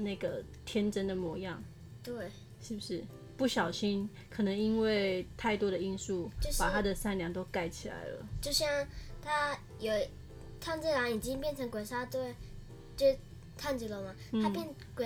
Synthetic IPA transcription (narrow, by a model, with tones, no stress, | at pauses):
na˥˩ɪɡə˩ | t̪ʰjɛ˥nʈ͡ʂə˥nd̪ə˨mwɔ˧˥jɑ˥˩ŋ | t̪we˥˩ɪ | ʂɻ̩˥˩bu˩ʂɻ̩˥˩ | pu˥˩ɕjɑ˨˩ʊɕi˥n | kʰɤ˨˩nə˧˥ŋi˦˥nwe˥˩ɪt̪ʰa˥˩ɪt̪wɔ˥ɾə˨i˥nsu˥˩jo˥˧ʊpa˨˩˥t̪ʰa˦˥d̪ə˨sa˥˩nljɑ˧˥ŋt̪o˥ʊka˥˩ɪt͡ɕʰi˨˩la̰˧˥ɪlə̰˧t͡ɕjo˥˧ʊɕjɑ˥˩ŋt̪ʰa˥ | jo˨˩ʊ | t̪ʰa˥˧nt͡si˥˩la˧˥ŋi˨˩t͡ɕi˥ŋpjɛ˥˩nʈ͡ʂʰɤ˧˥ŋkwe˨˩ʂa˥t̪we˥˩ɪ | t͡ɕo˥˩ | t̪ʰa˥˧nt͡si˥lə˧˥˩mɐ˩t̩̪ʰa˥pjɛ˥˩n | kwe˨˩